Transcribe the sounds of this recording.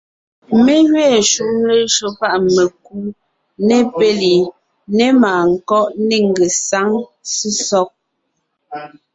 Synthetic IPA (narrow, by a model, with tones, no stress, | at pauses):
me˦ɣɥɛː˦˨ʃu˦˨ʔŋ˦le˦ʃo˨pa˦ʔme˨ku˦ | ne˦pe˦li˨ | ne˦maː˨ŋ̩˨kɔ˦ʔne˦ŋ˨ɡe˨sa˨˦ŋsi˦sɔ˦k̚